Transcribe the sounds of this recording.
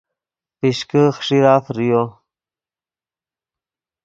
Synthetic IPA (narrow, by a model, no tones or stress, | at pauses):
piɕkəxʂiɾaːfɾijo